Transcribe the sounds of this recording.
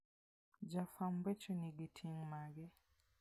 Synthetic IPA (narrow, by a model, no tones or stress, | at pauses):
d͡ʒafambɛt͡ʃɔniɡitʰiŋmaɡɛ